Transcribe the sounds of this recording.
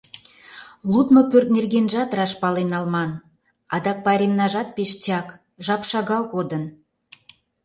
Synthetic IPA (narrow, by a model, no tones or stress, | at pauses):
lut̪mŏpørt̪̚nerɣenʒɑt̪rɑʃpɑlenɑlmɑn | ɑd̪ɑk̚pɑɾʲemnɑʒɑt̪̚peʃt͡ɕʲɑk | ʒɑpʃɑɣɑlkod̪ən